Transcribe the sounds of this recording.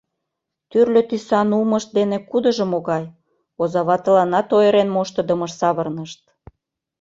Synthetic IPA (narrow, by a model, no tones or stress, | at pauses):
t̪yrlʲøt̪isɑnuməʃt̪̚d̪enekud̪əʒə̆moɣɑj | ozɑβɑt̪əlɑnɑt̪ojeɾenmoʃt̪əd̪əməʃsɑβərnəʃt̪̚